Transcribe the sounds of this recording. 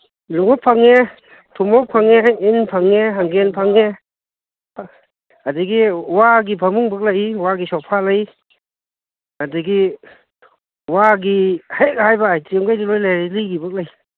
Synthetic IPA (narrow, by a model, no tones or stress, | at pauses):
luŋɔpʰːaŋːe | tʰumɔk̚pʰaŋeɦajenpʰaŋːeɦaŋɡenpʰaŋe | adɯɡiwaɡipʰamuŋbak̚lajwaɡisɔwpʰalaj | adɯɡi | waɡihak̚hajbajtiŋɡajdilojlajɾilijɡibak̚laj